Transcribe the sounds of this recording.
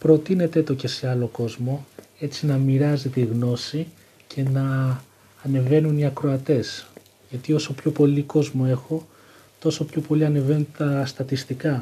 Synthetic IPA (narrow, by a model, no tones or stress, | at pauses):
pɾo̞t̪ine̞t̪e̞t̪o̞ce̞se̞ɐlo̞ko̞zmo̞e̞t͡sinɐmiɾɐzit̪iɣno̞si | cʰe̞nɐː | ne̞ve̞nuniɐkɾo̞ɐt̪e̞s | ʝɐt̪io̞so̞pço̞po̞liko̞zmoe̞xo̞ | t̪o̞so̞pçopo̞liɐne̞ve̞nt̪ɐst̪ɐt̪ist̪ikɐ